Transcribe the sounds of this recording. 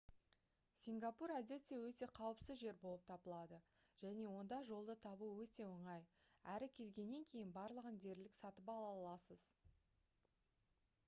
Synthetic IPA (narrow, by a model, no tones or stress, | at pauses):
sʲiŋɡɑpuɾæd̪e̞t̪ːe̞wɵt̪e̞qʰɑwəpsəzʒe̞ɾbo̞lˠəp̚t̪ʰɑbəlˠɑd̪ə | ʒ̥æne̞wo̞nd̪ɑʒo̞lˠd̪ət̪ʰɑbuəwɵt̪e̞woɴɑjæɾɪkʲʰe̞lɡʲe̞nːe̞ŋkʲʰe̞jɪnbɑɾlˠəʁənd̪e̞ɾlɪksɑt̪əpɑlˠɑlˠɑsəz